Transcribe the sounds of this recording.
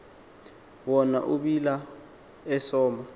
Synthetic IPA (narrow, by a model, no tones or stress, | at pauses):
wɔna̰ʔuɓila | ɛsɔːma